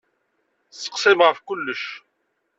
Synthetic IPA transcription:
sə̥qsˤɪmʁəfkʊlːəʃ

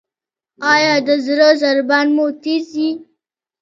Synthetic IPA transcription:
ɑjɑd̪əzɾəzaɾbanmot̪izi

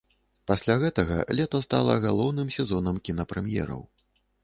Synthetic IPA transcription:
pasʲlʲaɣɛt̪ɐɣɐ̰lʲɛt̪ɐst̪a̰lˠɐ̰ɣalˠɔwnɨmsʲɛzɔnɐmkʲinɐpɾɛmjɛ̰ɾɐ̰w

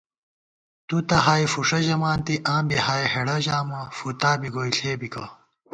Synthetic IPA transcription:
t̪ut̪ɐɦaːjfuʂɐʑɐmaːnt̪iʔãːmbiɦaːjeɦeɽɐʑaːmɐfut̪aːbiɡoːjɬeːbikɐ

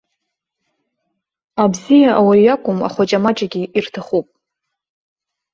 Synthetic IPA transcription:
abzijaʔawajakʷʼʊma̰χʷat͡ʃʼamaʈ͡ʂʼaɡʲiʔirtʰaχupʼ

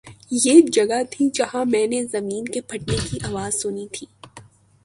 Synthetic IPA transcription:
jeːd͡ʒɐɡat̪ʰid͡ʒɐɦãmɛ̃ːnezɐmiːnkepʰɐʈnekiʔaːʋaːzsʊnit̪ʰiː

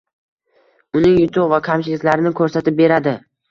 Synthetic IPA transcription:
ʊnɪŋjʊt̪ʰʊpvakʲʰamt͡ʃʰɪlɪkʲlaɾɪnɪkʰɵɾsat̪ɪp̚be̞ɾad̪ɪ

